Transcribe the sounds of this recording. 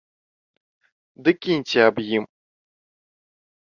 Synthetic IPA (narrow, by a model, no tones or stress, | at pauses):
d̪ɨkʲinʲt͡sʲiabjim